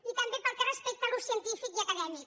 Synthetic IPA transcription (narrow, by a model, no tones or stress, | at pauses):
it̪ambepəɾkerespek̚t̪alusjənt̪ifikakaðɛmik